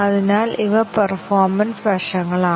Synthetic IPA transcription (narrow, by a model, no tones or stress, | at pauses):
ɐðinaːliʋɐpɐrfoːrmɐnsʋɐʂɐŋːɐɭaː